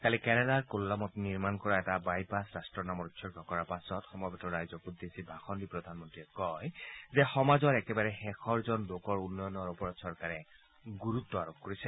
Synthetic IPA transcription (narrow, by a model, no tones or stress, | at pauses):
kalikɛnɛdaɹkolːamɔtniɹmankɔɹaɛtabajpasɹastɹɔnamɔɹutsɔɹkakɔɹapasɔtxɔmɔbɔtɔɹajzɔkud̪esibʱaxɔndipɹɔd̪ʱanmɔntɹiɛkɔjzɛxɔmazɔɹɛkɛbaɹɛxɛxʰɔɹzɔnlokɔɹunːɔjɔnɔɹɔpɔɹɔtsɔɹkaɹɛ | ɡuɹutːɔaɹokkoɹisɛ